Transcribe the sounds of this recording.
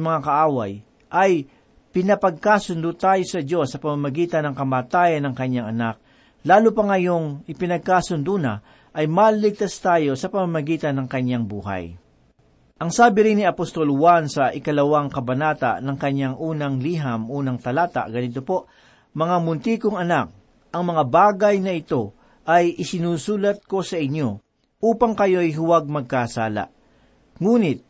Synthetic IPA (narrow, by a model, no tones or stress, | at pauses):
mɐŋakɐʔaːwaj | ʔɐj | pɪnɐpɐɡ̚kasʊnd̪ʊt̪aːjo̞sɐd͡ʒo̞sːɐpɐmamɐɡiːt̪ɐnɐŋkɐmaːt̪aːjɐnːɐŋkɐɲːaŋɐnak̚ | laːlupɐŋɐjo̞ŋʔɪpɪnɐɡ̚kasʊnd̪una | ʔɐjmaːlɪlɪɡ̚t̪ast̪aːjo̞sɐpɐmamɐɡiːt̪ɐnːɐŋkɐɲːaŋbṵːɦa̰j | ʔɐŋsaːbɪɾɪnːɪɐpost̪o̞lwansɐʔɪkɐlɐwaŋkɐbɐnaːt̪a̰ʔnɐŋkɐɲːaŋʔuːnɐŋliːɦɐmʔuːnɐŋt̪ɐlaːt̪a̰ʔɡɐnɪt̪o̞po̞ʔ | mɐŋamʊnt̪iːkoŋɐnak̚ | ʔɐŋmɐŋabaːɡɐjnɐʔɪt̪o̞ | ʔɐjʔɪsɪnuːsuːlɐt̪̚ko̞sɐʔɪɲːo̞ | ʔuːpɐŋkɐjo̞jɦʊwaɡ̚mɐɡ̚kasaːla̰ʔ | ŋuːnɪt̪̚